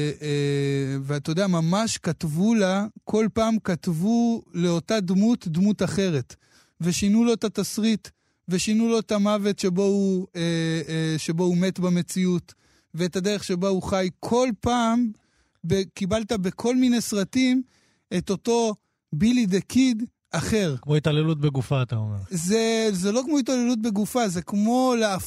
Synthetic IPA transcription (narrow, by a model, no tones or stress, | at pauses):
veatod̪eamamaʃkatvulakʰo̞lpaːmkat̪vule̞o̞tad̪mutdmutaχe̞ʁe̞t | ve̞ʃinulo̞etatasʁit | ve̞ʃinulo̞etamave̞tʃe̞bo̞ueʃe̞bo̞ume̞tbame̞t͡siut | veːtad̪e̞ʁeχʃe̞bauχajkʰo̞lpaːm | bekibaltabe̞kʰo̞lmine̞jsʁatim | e̞to̞to̞ | bilid̪ekid | aχe̞ʁkmoitalelut̚beɡufaːt̪aomeʁzezelo̞kmo̞italelut̬̚be̞ɡufaze̞kmo̞lea